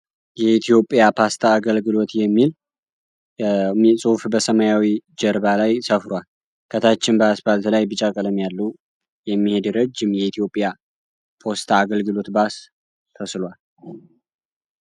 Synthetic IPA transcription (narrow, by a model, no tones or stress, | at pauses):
jɛit̪ʰijo̞pʼjapʰast̪ʰaːɡəlɡɨlo̞t̪jɛmːil | sʼufbəsəməjawid͡ʒəɾbalajsəfɾwal | kʰət̪ʰat͡ʃːɪnbəasbalt̪lajbɨt͡ʃʼakʼələmjalːəw | jɛmːihe̞d̪ɾəd͡ʒːɪmjɛit̪ʰijo̞pʼja | pʰo̞st̪ʰaːɡəlɡɨlo̞t̪bas | t̪ʰəslwal